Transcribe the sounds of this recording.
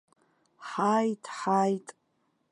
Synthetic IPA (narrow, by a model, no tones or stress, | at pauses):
ħajtʼħajtʼ